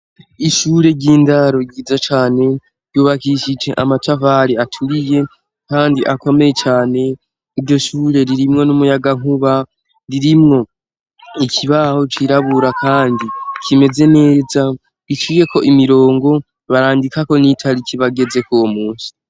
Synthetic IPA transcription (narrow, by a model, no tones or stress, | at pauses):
iʃuːɾe̞ɟiːndaɾo̞ɡiːzat͡ʃaːne̞ | ɾɟjuːβakiʃid͡ʒe̞̰ʔamatavaɾiatʰuɾije̞ | kaːndiʔako̞me̞je̞t͡ʃaːne̞ | iɾɟo̞ʃuːɾe̞ɾiɾimŋo̞numujaɡaŋuβa | ɾiɾimŋo̞ | icʰiβaho̞t͡ʃiɾaβuɾakʰaːndikʰime̞ze̞ne̞ːza | it͡ʃije̞ko̞ʔimiɾo̞ːŋɡo̞ | βaɾaːndikako̞nitʰaɾikiβaɡe̞ze̞kowomuːnsi̥